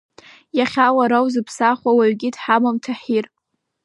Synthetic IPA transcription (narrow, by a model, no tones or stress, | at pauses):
jaχʲawaɾawzɨpʰsaχʷawaɥɡʲɪdħamamtʰaħir